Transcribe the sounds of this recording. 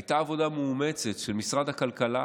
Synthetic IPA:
jt̪aːvo̞damuːme̞t͡se̞tʃelmisʁad̪hakalkala

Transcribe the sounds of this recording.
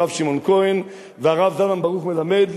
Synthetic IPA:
avʃimɔnkɔjn | vɛaʁavzanambaʁuχmɪlamɛd

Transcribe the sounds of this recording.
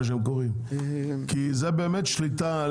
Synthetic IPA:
ʃ̬emk̬oʁim | kizebeːmet̪ʃlit̪a

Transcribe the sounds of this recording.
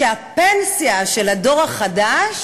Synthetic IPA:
eapensijaʃe̞lado̞ʁaχadaʃ

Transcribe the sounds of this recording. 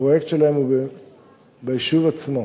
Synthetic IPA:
ojektʃelaemub | beiʃuvat͡smo

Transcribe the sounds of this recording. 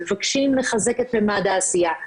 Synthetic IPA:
evakʃimleχazeket̪bemaːd̪aːsija

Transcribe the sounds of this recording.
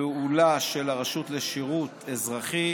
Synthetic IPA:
eulaʃelaʁaʃut̪leʃiʁut̪ʰezʁaχi

